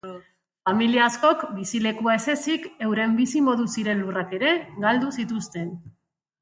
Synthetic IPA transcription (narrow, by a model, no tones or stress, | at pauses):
familiaːsko̞kbisile̞kuaese̞sike̞wɾe̞mbisimo̞ðusiɾe̞nlurake̞ɾe̞ɡald̪usit̪ust̪e̞n